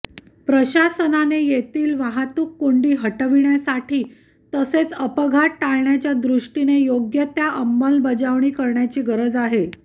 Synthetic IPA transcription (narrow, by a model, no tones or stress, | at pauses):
pɾəɕasənanejet̪iːlʋaɦat̪uːkːoɳɖiːɦəʈəʋiɳjasaʈʰiː | t̪əset͡səpəɡʱaʈːaɭɳjat͡ɕjad̪ɾuʂʈinejoɡjət̪jaʔəmbəlbəd͡ʑaʋɳiːkəɾɳjat͡ɕiːɡəɾəd͡zaɦe